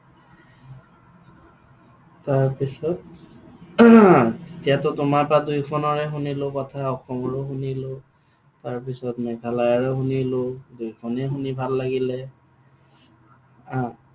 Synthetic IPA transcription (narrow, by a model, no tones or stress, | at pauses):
taɹpisɔt̚ | etijatɔtʊmaɹpɹadujkʰɔnɔɹɛxunilokɔtʰaɔxɔmɔɹɛxunilo | taɹpisɔtmɛɡʱalajɔɹɛɦunilodujkʰɔnɛxunibʱalːaɡilɛ | ã